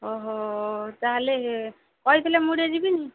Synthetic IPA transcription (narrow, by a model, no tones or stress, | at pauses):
ɔɦot̪aɦleɦe | kɔjt̪ʰlemuɽed͡ʒibini